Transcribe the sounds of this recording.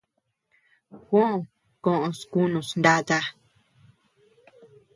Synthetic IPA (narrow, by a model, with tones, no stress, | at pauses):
xʷõ˦ʔõ˨ | kõ˦˨ʔõ˧sku˦nũ˨snd̪a˦t̪a˦